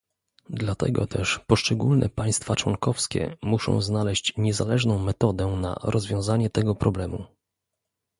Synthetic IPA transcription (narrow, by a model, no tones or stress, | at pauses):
d̪lat̪ɛ̰ɡɔt̪ʰɛʂpɔʂt͡ʂɛɡulnʔɛ̰paj̃st̪fat͡ʂwɔnkɔfskʲɛ̰muʂɔ̰̃w̃znalɛɕt͡ɕɲɛzalɛʐnɔ̃w̃mɛt̪ɔd̪ɛna̰ɾʔɔzvʲjɔ̃w̃zaɲɛt̪ɛɡɔpɾɔblɛmṵ